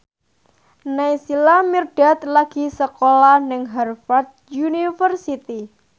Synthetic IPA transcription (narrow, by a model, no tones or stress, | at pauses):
najsilamirɖ̥a̤t̪̚laɡ̥i̤səkolahnɪŋɦɛrfart̪̚junifərsit̪i